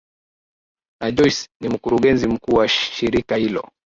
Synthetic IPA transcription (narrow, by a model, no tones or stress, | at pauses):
naʄɔjsnim̩kuɾuɠɛnzim̩kuːwaʃiɾikahilɔ̰